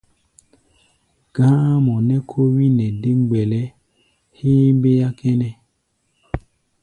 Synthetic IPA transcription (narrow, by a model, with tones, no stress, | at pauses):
ɡ̥ã˦mɔ˨nɛ˦kʰo˦wi˦nɛ˨de˦ŋ˦ɡ͡bɛ˨lɛ˦ | hiː˦m˦be˦ja˦kʰɛ˦nɛ˨